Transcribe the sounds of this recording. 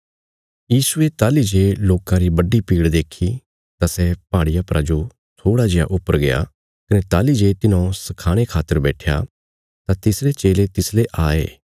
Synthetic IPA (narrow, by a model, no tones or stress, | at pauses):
jiːsʊet̪aːlid͡ʒeːloːkãɾibɐɖipiːɽd̪eːkʰi | t̪asɛpaːɽɪjapɾʔad͡ʒo | t̪ʰoːɽad͡ʒɪja̰ʔʊpːəɾɡeja̰ | kɐnɛt̪aːlid͡ʒeːt̪ɪnõsɐkʰaːɽ̃ekʰaːt̪əɾbɛːʈʰja̰ | t̪ãt̪ɪsɾet͡ʃeːlet̪ɪsleʔaːḛː